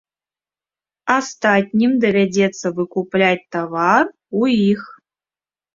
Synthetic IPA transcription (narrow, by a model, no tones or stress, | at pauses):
ast̪atʲnʲimd̪ɐvʲɛdʲet̪sːəvɨkuplʲat̚ʲt̪avar | uix